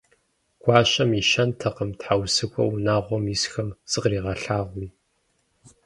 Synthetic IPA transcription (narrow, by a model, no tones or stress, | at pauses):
ɡ̥ʷɑːɕɐmiʃɐntʰɐqəmtħawsɨkʷʰɔ̰wnaːʁʷɔmjisxɐmsʼɨqriːʁɐɬaːʁʷiː